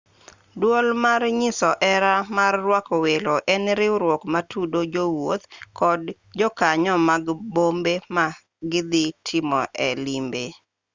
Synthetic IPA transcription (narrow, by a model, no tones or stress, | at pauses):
dwolmarɲɪsɔʔɛɾamarːwakɔweloʔɛnɾɪɾwɔkmatʰudod͡ʒowot̪kɔd | d͡ʒɔkaɲɔmaɡbombema | ɡɪd̪ɪtʰɪmɔʔɛlimbe